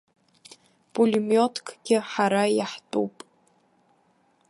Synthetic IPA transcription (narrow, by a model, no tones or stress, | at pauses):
pʼulʲimjotʰkʰʼɡ̥ʲɪħaɾajaħtʼṵpʼ